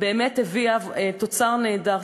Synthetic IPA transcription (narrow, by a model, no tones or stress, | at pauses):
beːmetheviavet̪ot͡saʁneːdaʁ